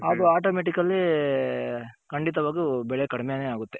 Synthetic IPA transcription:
aːɡuaːʈoːmeʈ̬ikɐlːi | kɐɳɖit̪ɐʋaːɡubɛɭekɐɽɐmeneaːɡut̪ːe

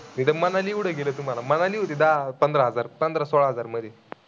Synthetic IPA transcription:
t̪id̪əmənaliwɽəɡelət̪um̤alamənaliːɦot̪id̪apənd̪ɾəɦəd͡zaɾpənd̪ɾəsoɭaɦəd͡zaɾməd̪ʱje

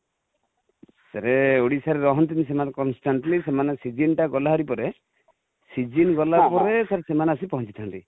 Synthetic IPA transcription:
saɾeoɽisaɾeɾɔɦɔnt̪̬inis̬emankɔnsʈaɳʈlisemanesid͡ʒinʈaɡɔlaɦɔɾipɔɾe | sid͡ʒinɡɔlapɔɾesaɾesemaneasipɔɦɔnt͡ʃit̪ʰant̪i

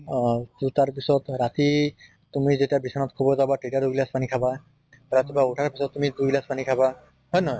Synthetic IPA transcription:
tut̪aɹpisɔt̪ɹat̪i | t̪umizetiabisʰɔnɔt̪kʰubɔzabaʈetaɹduɡilaspanikʰaba | ɾat̪ibauʈʰaɹpisɔt̪ːumid̪uɡilaspanikʰaba | ɦɔjnɔj

